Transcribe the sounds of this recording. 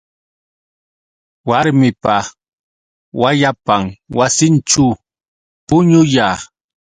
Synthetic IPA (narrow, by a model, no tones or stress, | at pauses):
waɾmɪpa | wajapamwasɪnt͡ʃʊ | pʊɲʊjaː